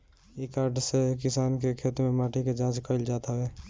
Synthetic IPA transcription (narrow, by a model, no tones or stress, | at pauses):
ikaːɾɖsekɪsaːnkekʰeːt̪mẽmaːʈʰiked͡ʒãːt͡ʃkəɪld͡ʒaːt̪aʋeː